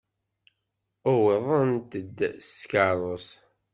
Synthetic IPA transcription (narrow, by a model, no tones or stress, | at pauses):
ʊweðˤənt̪əd̪ːskaɾˤos